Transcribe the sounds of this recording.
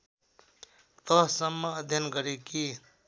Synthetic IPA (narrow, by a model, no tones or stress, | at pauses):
t̪ʌɦsʌmːʌːd̪ʱjʌnɡʌɾeki